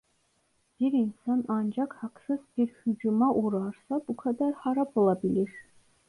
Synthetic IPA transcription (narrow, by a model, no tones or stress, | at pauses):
b̥iɾinsanand͡ʒakʰhaqsɨzbiɾhyd͡ʒumaʔuɾɑɾsabukʰad̪æɾħaɾabɨlˠabiliɾ